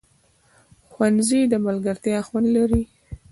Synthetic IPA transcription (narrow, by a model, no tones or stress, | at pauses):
xwanzid̪əmalɡaɾt̪jɑxwanlaɾi